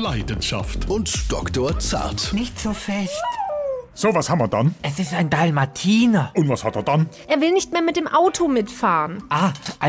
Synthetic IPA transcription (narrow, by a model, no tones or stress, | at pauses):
laɪdən̩ʃa̰ftʊntʃd̥ɔktoːɐt͡sa̰ɐtnɪçtz̥oːfɛstz̥oːvashamɐdanʔɛsɪstaɪndalmatʰiːnɐʔʊntv̥ashateːɐdanʔeːɐvɪlnɪçtmeːɐmɪt̚d̥eːmʔaʊtʰomɪtfaːʁənʔaːʔa